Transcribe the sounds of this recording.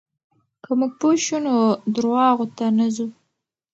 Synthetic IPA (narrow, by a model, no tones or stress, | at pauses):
kəmuɡ̚poʃunod̪ɾwɑɣot̪anazu